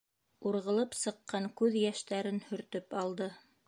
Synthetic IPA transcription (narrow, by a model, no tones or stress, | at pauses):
uɾʁɤ̆lˠɤpsɤ̆qːɑŋkʉðjæʃt̪æɾɘnhɵ̆ɾt̪ɵpɑlˠd̪ɤ